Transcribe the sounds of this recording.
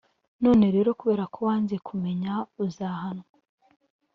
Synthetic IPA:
no̞ːne̞ɾe̞ːɾo̞kuβe̞ːɾakʰowaːnzekʰume̞ɲauzaːhanwa

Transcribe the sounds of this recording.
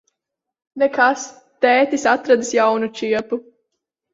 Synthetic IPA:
nɛkas | t̪ɛːt̪ʲisat̪ɾad̪ɨsjawnut͡ʃiɛpu

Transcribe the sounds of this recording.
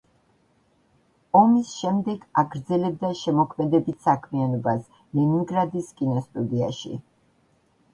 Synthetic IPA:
ɔmisʃɛmd̪ɛɡaɡɾd̪zɛlɛb̚d̪aʃɛmɔkʰmɛd̪ɛbit̪ʰsakʰmianɔbas | liniŋɡɾad̪iskʼinɔst̪ʼud̪iaʃḭ

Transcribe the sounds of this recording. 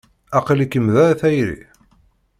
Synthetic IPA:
ɑqəlikːəmðæθæjɾḭ

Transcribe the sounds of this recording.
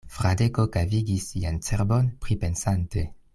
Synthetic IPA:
fɾade̞ko̞kaviɡisːiant͡seɾbo̞npɾipe̞nsante̞

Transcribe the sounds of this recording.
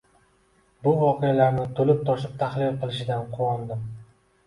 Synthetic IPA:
bʊvɒqʰejalaɾnɪt̪ʰolɪp̚t̪ʰɒʃɪp̚t̪ʰaχlɪlqɨlˠɪʃɪd̪anqʰʊwɒnd̪ɪm

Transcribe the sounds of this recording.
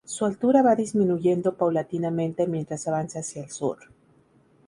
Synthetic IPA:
sualt̪uɾaβaðizmĩnuʝe̞nd̪o̞pawlat̪inamẽ̞nt̪e̞mjent̪ɾasaβansaːsjaelsṵɾ

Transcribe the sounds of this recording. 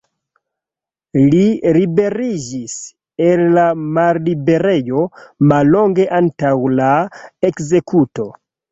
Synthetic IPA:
liɾibe̞ɾid͡ʒis | elːamallibe̞ɾe̞jo̞malːoŋɡeʔantawlaekze̞kuto̞

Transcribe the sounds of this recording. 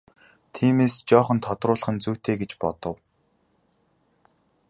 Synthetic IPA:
t̪ʰiːmeːst͡ɕɔːχə̆nt̪ʰɔt̪rʊːɮə̆χə̆nt͡suːt̪ʰeːɡet͡ɕpɔt̪ɞ̆w

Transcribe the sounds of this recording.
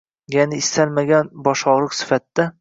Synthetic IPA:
janɪɪst̪ʰalmaɡʲanbɒʃɒʁɾˠɨqsɪ̥fat̪ːa

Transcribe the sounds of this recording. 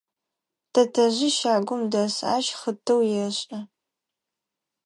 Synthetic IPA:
tʰɐtʰɐʑɪʃaːɡʷʊmdɐsa̰ːʃχətʰːɐwjɛɕʼɐ

